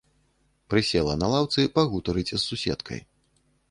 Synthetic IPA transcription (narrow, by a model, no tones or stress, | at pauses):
pɾɨsʲɛlˠɐnɐlˠawt̪sɨpaɣut̪ɐɾɨt͡sʲsːusʲɛ̰t̪kʰɐ̰j